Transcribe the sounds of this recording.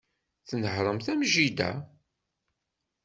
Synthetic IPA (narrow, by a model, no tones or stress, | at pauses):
θnəhɾˤəmθæmʒid̪æ̰